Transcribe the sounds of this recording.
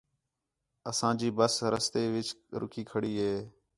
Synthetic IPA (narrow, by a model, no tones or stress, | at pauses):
əsãːd͡ʒiːbəsɾəst̪eːʋɪt͡ʃɾʊ̰kʰiːkʰəɽiːɦeː